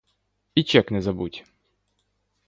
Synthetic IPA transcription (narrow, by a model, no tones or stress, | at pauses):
it͡ɕɛknɛzɐbutʲ